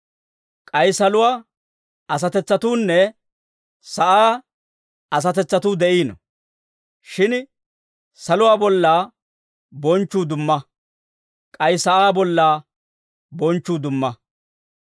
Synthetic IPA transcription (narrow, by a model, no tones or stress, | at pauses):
kʼɐjsɐlʊwaː | ɐs̬ɐt̪ɛt͡sːɐt̪uːnːɛ | sɐʔaː | ɐs̬ɐt̪ɛt͡sːɐt̪uːd̪ɛʔiːnɔ̰ | ʃɪn | sɐlʊwaːbɔlːaː | bɔnt͡ʃːuːd̪ʊmːɐ | kʼɐjsɐʔaːbɔlːaː | bɔnt͡ʃːuːd̪ʊmːɐ